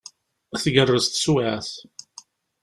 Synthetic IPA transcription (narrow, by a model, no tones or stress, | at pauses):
æθʝərˤːəzt̪swaθ